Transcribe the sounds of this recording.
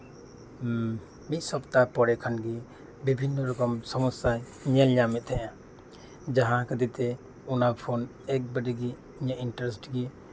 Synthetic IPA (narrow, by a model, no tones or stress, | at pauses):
mit̪̚ˀsɔpt̪apɔɽɛkʰanɡi | bibʱinːɔɾɔkɔmsɔmɔsaj | ɲɛlɲamɛt̪̚ˀt̪ʰɛʔã | d͡ʒaɦãkəd̪it̪ɛ | unapʰon | ɛk̚bəɖiɡi | iɲaʔinʈɾɛsʈɡi